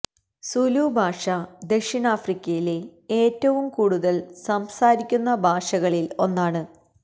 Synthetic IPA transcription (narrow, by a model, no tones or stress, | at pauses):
suluːbʱaːʂɐd̪e̞kʂinaːfrikʲːɐjile̞eːtːɐʋumkuːɽuðɐlsɐmsaːɾikʲːunːɐbʱaːʂɐɣɐɭilo̞nːaːɳɨ